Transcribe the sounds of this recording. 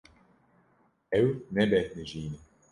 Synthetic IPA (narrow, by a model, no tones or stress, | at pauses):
ɛwnɛbɛt̪niʒiːni